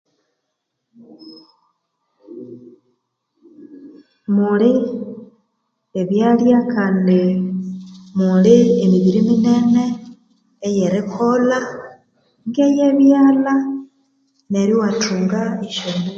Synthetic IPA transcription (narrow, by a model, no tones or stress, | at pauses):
muli | eβjaːljakaːndi | muliemiβiɾimine̞ne̞ː | je̞ɾekʰo̞la | ŋɡe̞je̞βjaːla | ne̞ɾiwatʰuːŋɡaiʃomi